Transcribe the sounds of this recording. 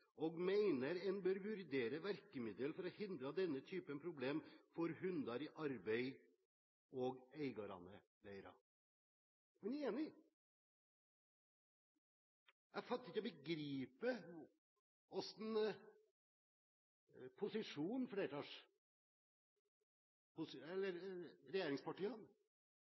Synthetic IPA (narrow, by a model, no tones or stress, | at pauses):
ɔɡmeɪnəɾɛnbøːɾʋʉɾd̪eːɾəʋæɾkəmɪd̪əlfɔɾɔhɪnd̪ɾɑd̪ɛnːət̪ʰyːpənpʰɾʊbleːmfɔɾhʉnd̪ɑɾɪʔɑɾbeɪ | ɔɡeɪɡɑɾɑ̰nə̰ | d̪æɪɾɑ̰ | mɛneːnɪ | ʔæfɑt̪ːɾɪkːɔbəɡɾiːpə | ɔsn | pʰʊsɪʂuːnfɽeːɾʈ̪ɑːʂ | pʰʊsɛlːəɾɾɛjeːɾɪŋspʰɑʈiːɑn